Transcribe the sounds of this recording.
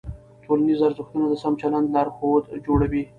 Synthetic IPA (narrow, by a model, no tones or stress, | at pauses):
tʰolanizaɾzəxt̪unad̪əsamt͡ʃaland̪lɑɾxod̪d͡ʒoɽawi